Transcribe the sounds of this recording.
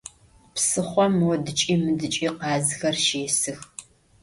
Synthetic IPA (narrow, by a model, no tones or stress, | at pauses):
psɨχʷɔmwɔdɨt͡ʃʼiːmɨdɨt͡ʃʼiːqɑːzxɐrʃeːsɨx